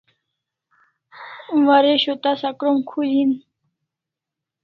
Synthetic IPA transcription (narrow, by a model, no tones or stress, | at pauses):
waɾeɕot̪asakɾomkʰulin